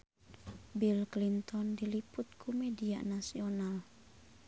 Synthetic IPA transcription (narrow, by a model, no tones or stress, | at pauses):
bilklint̪ɔndiliput̪̚kʰumedia̰nasional